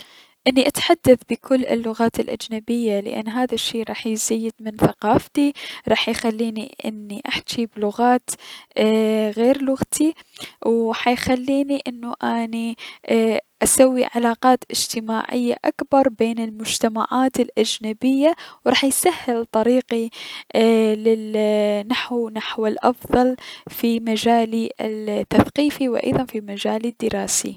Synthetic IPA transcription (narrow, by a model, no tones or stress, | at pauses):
ʔɪnːiʔat̪ħad̪ːaθbɪkʰʊlːɪ̰lːʊɣaːt̪ɪlʔa̰d͡ʒnabɪjːalɪ̰ʔa̰nːɦaːðaʃːiːɾˤɑːħjzajːɪd̪mɪnθaqɑːft̪iɾˤɑːħjxalːiːnḭʔɪ̰nːiʔaħt͡ʃiblʊɣaːt̪ː | ɣeːɾlʊɣt̪ʰiwħajxalːiːniʔɪnːuʔani | ʔasawːḭʕalaːqɑːt̪ʔɪd͡ʒt̪ɪmaːʕɪ̰jːa̰ʔakbɑɾˤbeːnɪlmʊd͡ʒt̪ama̰ʕaːt̪ɪlʔad͡ʒnabɪjːawɾˤɑːħjsahːɪlt̪ˤɑɾiːqi | lɪnaħwnaħwɪlʔɑ̰fðˤɑlfimad͡ʒaːliɪt̪ːaθqiːfiwʔɑ̰jðˤɑnfimad͡ʒaːlɪd̪ːɪɾɑːsḭ